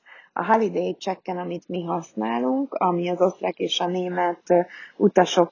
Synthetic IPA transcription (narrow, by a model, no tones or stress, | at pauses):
ɒ̰ɦɒlid̪eːjt͡ʃɛkːɛnɒmit̪miɦɒsnaːluŋkɒmiɒzo̞st̪rakeːʃɒneːmɛt̪ut̪ɒʃo̞k